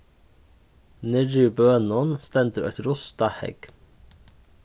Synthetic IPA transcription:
nɪɾʉbøːnɔnst̪ɛnd̪ɾʉʔɛt̪ɾʊst̪ɑhɛ̰ɡ̥̪

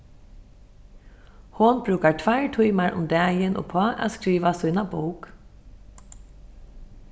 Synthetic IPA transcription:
hʊnbɾʉːkaɹt̪ʰvaɹt̪ʰujmaɹʔʊ̰md̪ɛːjɪnʔɔ̰pʰɔːʔa̰skɾiːʋasuːnabuwk

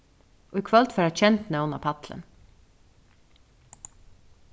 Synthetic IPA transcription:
ʔoːiːkʰʋɑlt̪fːɾæːçɛnt̪nɑʊnɑ̰ːpʰɑt̪lə̰n

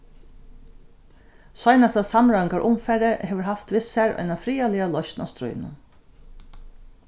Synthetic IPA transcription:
sɔjnast̪aðsamɾaɪŋkaɹʔʊmfɛɾɪheːʋəɹɦaft̪ʋɪsæɹɔ̰jnafɾiːalɪalɔʃt̪na̰st̪ɾṵjnʊ̰n

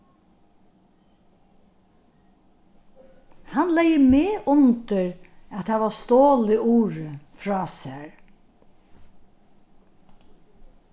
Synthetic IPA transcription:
hanlɛjəmeːʔʊnt̪əɹat̪haːʋast̪oːlɪʔuːɾəfɾɑːsæɹ

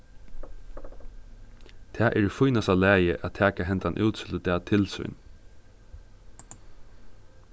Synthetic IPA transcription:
t̪ʰæːʔɛɾfʊjnasalæːjəʔæt̪ʰæːkaɦɛnt̪anʔʉ̰ːt̪sɪld̪ɛːt̪ʰɪlsʏ̰jn

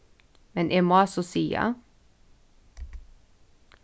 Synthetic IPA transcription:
mɛnʔeːmoasɔsiːa̰

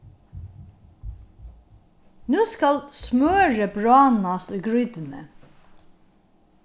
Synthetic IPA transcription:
nuːskɑlsmøːɹəbɹɑːnɑsɡɹʏd̪ənə̰

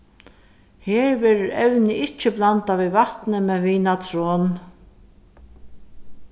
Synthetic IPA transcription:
hɛːɹvɛːɾʊɾɛwnɪʔɪt͡ʃːɪplant̪aʋivaht̪nɪmɛðviːnat̪ʰɾɔːn

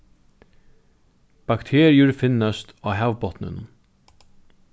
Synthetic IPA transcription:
b̥akt̪ʰeːɾɪʊɹfɪnːast̪aːɦɛʋpɔt̪nʏ̰n

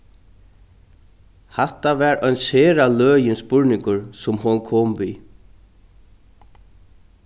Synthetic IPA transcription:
hɛht̪avɛːɾœɥnsheːɾalœːjɪnspʊɹnɪŋkʊɹsʊmɦʊnkʰɔːmviː

